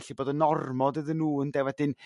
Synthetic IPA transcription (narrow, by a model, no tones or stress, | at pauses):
ɬiboːdənɔrmɔdəðənːuːəndɛwɛdɪn